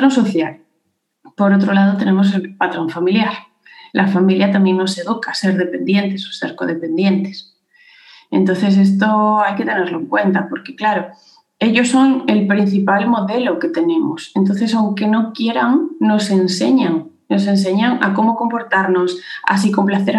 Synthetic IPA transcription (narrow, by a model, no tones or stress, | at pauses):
t̪ɾonsoθjal | po̞ɾot̪ɾolað̞ot̪e̞nẽ̞mos̬e̞lpat̪ɾo̞ɱfamiljaɾ | lʔafamiljat̪amje̞ŋno̞se̞ðukase̞ɾðepe̞nd̪je̞nt̪e̞so̥seɾko̞ðe̞pẽ̞nd̪je̞nt̪es | e̞̰nt̪o̞nθe̞s̬est̪oajke̞t̪e̞ne̞ɾloeŋkwe̞nt̪apo̞ɾkeklaɾo | e̞ʎo̞sːo̞ŋe̞lpɾin̟θipalmo̞ðe̞loke̞t̪e̞nẽ̞mosent̪o̞n̟θe̞sawŋke̞no̞kje̞ɾaŋno̞se̞nseɲaŋ | no̞se̞ns̬e̞ɲaŋa̰ko̞mo̞ko̞mpo̞ɾt̪aɾno̞sa̰s̬iko̞mplaθeɾ